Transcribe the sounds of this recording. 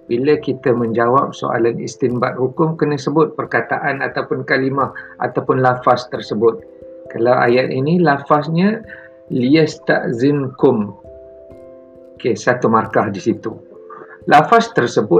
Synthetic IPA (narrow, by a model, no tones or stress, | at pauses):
biləkit̪əmə̃ɲd͡ʒawap̚so̰ʔa̰lanḭst̪imbat̪̚hukʊmkənəsəbʊt̪̚pərkat̪aʔanat̪awpʊnkalimahʔa̰t̪awpʊnlafast̪ərsəbʊt̪̚ | kalawa̰jat̪inilafasɲã | liəst̪a̰ʔzinkʊm | okesat̪umarkahdisit̪u | lafast̪ərsəbʊ